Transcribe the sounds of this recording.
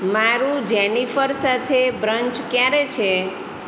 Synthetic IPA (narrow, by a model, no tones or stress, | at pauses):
maɾũd͡ʒɛnifəɾsat̪ʰebɾəɲt͡ʃkjaɾet͡ʃʰe